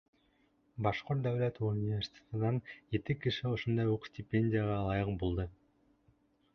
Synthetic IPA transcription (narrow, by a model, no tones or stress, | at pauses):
bɑʃqoɾt̪̚d̪awlʲæt̪unʲie̞rʲsʲi̥t̪ʲe̥t̪ənɑnd͡ʒet̪ikiʃioʃond̪ɑjuqsʲtʲɪpʲːenʲdʲijaʁɑːlˠɑjɯq̚bulˠd̪ɤ